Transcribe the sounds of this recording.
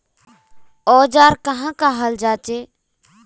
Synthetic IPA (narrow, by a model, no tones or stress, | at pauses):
ɔːd͡ʒaːɾkəɦãːkaːɦəld͡ʒaːt͡ʃeː